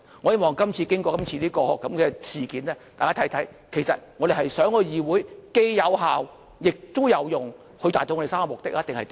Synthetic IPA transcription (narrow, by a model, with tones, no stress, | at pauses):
ŋɔː˨˧jeː˥mɔː˨ŋkɐ˥mt͡sʰiː˧kɪ˥ŋkɔː˧kɐ˥mt͡sʰiː˧liː˥kɔː˧˨kːɐ˨˦˥mkɛ˧sʰiː˨˩kiː˨˥nlɛː˥t̪aː˨jkaː˥t̪ʰjt̪ʰɐ˨˥j | kʰe˨˩jsɐ̰˨t̚ŋɔː˨˧ɾe˨hɐ˨jsœː˨˥ŋkɔ˧jiː˨wuː˨˥jke˥jjɐ˨˧wɦaː˨w | jɪ˨k̚t̪ʊ˥wjɐ˨˧wjʊ˨ŋ | hɵ˧t̪aː˨t̪o˧wɔ˨˧˥e˨saː˥ŋkɔ˧mʊ˨k̚t̪ɪ˥k̚jt̪ŋhɐ˨jt̪